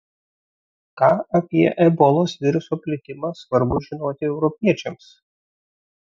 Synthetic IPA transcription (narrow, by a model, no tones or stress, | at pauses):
kɑːɐpʲiɛʔɛbɔlˠoːsʋʲɪɾʊsoːpʲlʲɪt̪ʲɪmɑsʋɐɾbʊʒʲɪnoːt̪ʲɪɛʊɾɔpʲiɛt͡ʃʲɛms